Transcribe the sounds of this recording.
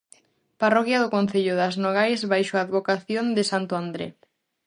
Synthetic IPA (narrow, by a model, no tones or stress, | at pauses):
parɔkjaðʊkon̟θeʎʊðaznoɣ̞ajzβajʃoaːðβokaθjond̪ɪsant̪ʊand̪ɾḛ